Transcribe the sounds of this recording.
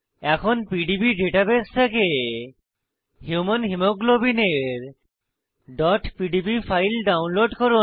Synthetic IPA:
ɛkʰonpiɖipiɖeʈabest̪ʰeke | hjumanɦimoɡlobineɾ | ɖɔʈpiɖibipʰajlɖawnloɖkoɾu

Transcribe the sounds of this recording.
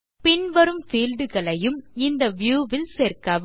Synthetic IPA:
pɪɳʋɐɾɯmfiːlɖɯɣɐɭɐjɯmɪnd̪ɐʋjuːʋɪlseːɾkɐː

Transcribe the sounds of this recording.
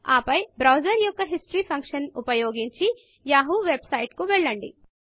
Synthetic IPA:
aːpɐjbɾɐwd͡ʒɐɾjɔkːɐɦisʈɾiːpʰɐŋkʂɐnupɐjoːɡiɲt͡ʃi | jaːɦuʋebsɐjʈkuʋɛɭːɐɳɖḭ

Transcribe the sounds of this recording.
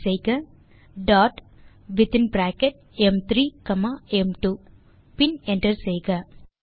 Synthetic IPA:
sejɡɐ | ɖaːʈ | ʋit̪inbɾaːkeʈ̚ | emt̪ʰɾiːkɐmaemʈuː | pineɳʈɐɾsejɡɐ

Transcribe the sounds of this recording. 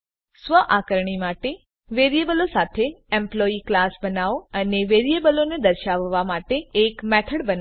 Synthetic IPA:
sʋəʔakəɾɳimaʈe | ʋeɾijebəlosat̪ʰeemploiklasbənaʋəneʋeɾijebəloned̪əɾʃaʋːamaʈeːkmɛʈ̪ʰəɽbəna

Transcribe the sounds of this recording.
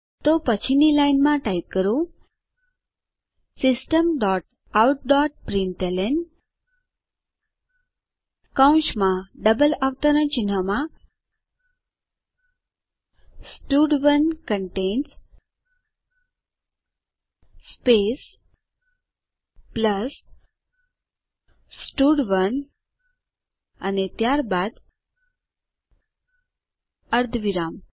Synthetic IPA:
t̪opət͡ɕʰinilajnmãʈajp̚kəɾo | sisʈəmɖɔʈ | awʈ̚ɖɔʈ̚pɾiɳʈelen | kãũɕmãɖəbəlaʋt̪əɾə̃t͡ɕin̤əmã | sʈuːɖʋənkəɳʈens | spes | pləs | ʈuɽʋən | a̰net̪jaɾbad̪ | əɾd̪ʱʋiɾam

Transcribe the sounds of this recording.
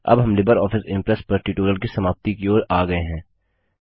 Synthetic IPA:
ɐ̰bɦɐmlɪbəɾɔːfɪsɪ̃mpɾɛspɐɾʈiːʈuːɾəlkisɐmaːp̚t̪ikeoːɾaːɡɐeɦɛ̃ː

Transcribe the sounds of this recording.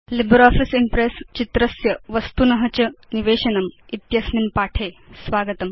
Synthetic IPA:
libɾɔːfisimpɾest͡ɕit̪ɾɐsjɐʋɐst̪unɐɦɐt͡ɕɐniʋeːɕɐnɐmit̪jɐsnimpaːʈʰeːsʋaːɡət̪ɐm

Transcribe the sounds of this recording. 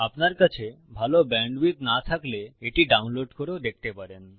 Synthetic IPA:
apnaɾkat͡ɕʰe | bʱalobɛɳɖbit̪nat̪ʰakleeʈiɖawnloɖkoɾod̪ek̚ʰt̪epaɾen

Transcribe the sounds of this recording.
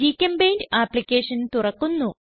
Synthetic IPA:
iːkʲːɐmbejndaːpːlikʲːeːʂɐnt̪urɐkːunːu

